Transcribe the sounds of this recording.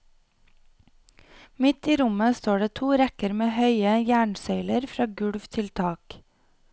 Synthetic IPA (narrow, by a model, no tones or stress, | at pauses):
mɪt̪iːɾʊməst̪oːɖeːt̪ʰuːɾɛkəɾmeːhœʏəjæːɳsœʏləɾfɾɑːɡʉɽʋt̪ʰɪlt̪ʰɑːk